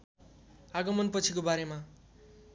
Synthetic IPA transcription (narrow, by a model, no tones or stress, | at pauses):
aɡʌmʌnpʌt͡sʰikobaɾema